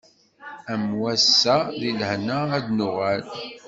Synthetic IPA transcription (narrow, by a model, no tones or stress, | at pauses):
æmwæsːæðiləhnaːd̪nʊʁæl